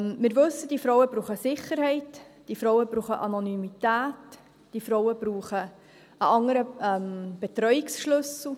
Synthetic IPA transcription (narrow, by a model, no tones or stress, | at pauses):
mmɪːɾʋɵsːəd̥ifɾɔwəbɾuːχəsɪχəɾhɛɪtd̥ifɾɔwəbɾuːχəʔɑnɔnymitæːt | d̥ifɾɔwəb̥ɾuːχə | əʔɑŋəɾəɛmb̥ɛt̪ɾœjiksʃlɵsl̩